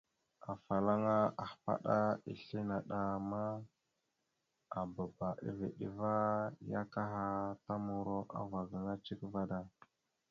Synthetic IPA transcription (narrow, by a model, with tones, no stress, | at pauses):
a˨fa˨la˦ŋa˦a˨xpa̰˦ɗa˦ḭ˨ɬi˦na˨ɗa˨ma˦ | a˨ba˨ba˨ʔḭ˦vḭ˨ɗi˦va˦ja˦ka˦ɦa˦ta˦mu˨ɾo˦ʔa̰˦va˨ɡə˨ŋa˦t͡ʃi˦kva˦da˦